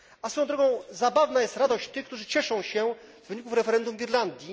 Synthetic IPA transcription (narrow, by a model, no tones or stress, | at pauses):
asfɔjɔ̃d̪ɾɔɡɔ̃w̃zabavnajɛst̪ɾad̪ɔɕt͡ɕt̪ɘkt̪uʐɘt͡ɕɛʂɔ̃w̃ɕɛzvɘɲikufɾɛfɛɾɛnd̪umvʲiɾland̪ʲji